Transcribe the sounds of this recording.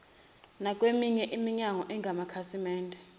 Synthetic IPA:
nakʼwemiɲɛʔimiɲaŋɔʔɛŋɡʱamakʰasimɛːndʱɛ

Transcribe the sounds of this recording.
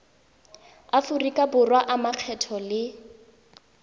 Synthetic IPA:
afʊrikʼabʊrwaʔamaq͡χʰɛtʰɔlɪ

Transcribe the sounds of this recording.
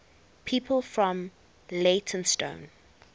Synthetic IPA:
pʰiːˑpʰəlˠfɹɔ̃m | leɪtʰə̃nstõ̰ʊ̃n

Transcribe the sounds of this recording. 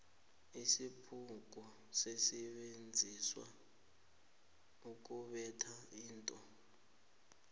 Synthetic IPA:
isipʰuk̬ɔ | sesɛɓend͡zʱiswa̰ | uk̬ʼuɓɛtʰaiːntʼɔ

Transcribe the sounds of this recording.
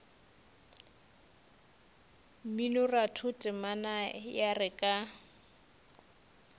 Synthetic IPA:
minʊratʰʊtʼɪmanajarɪkʼa

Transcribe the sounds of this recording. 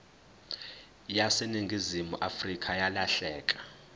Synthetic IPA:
jaseniŋɡʱizimuʔafrikʼajalaɬɛːkʼḁ

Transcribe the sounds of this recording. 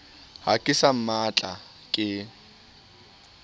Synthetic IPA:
hakʼɪsam̩mat͡ɬʼa | kʼɪ

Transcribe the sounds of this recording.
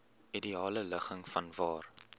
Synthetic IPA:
ʔidiɑːlələχəŋfɐnvɑːr

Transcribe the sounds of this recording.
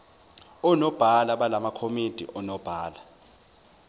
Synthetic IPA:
ɔnɔb̥ʱalaɓalamakʰomid̥ʱḭʔɔnɔb̥ʱaːla

